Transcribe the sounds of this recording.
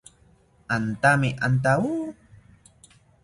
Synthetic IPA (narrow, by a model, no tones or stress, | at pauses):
ant̪amiʔant̪̬au